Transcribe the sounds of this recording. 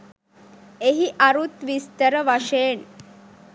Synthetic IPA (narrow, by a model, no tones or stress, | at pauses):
eɦiʔaɾut̪ʋist̪əɾəʋaʂen